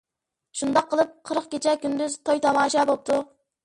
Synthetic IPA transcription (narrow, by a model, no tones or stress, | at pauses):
ʃund̪ɑqʰːəlˠɨp̚qʰəɾəqkʲet͡ʃʰɛkʲynd̪yzt̪ʰojt̪ʰɑmɑːʃɑbop̚t̪ʰu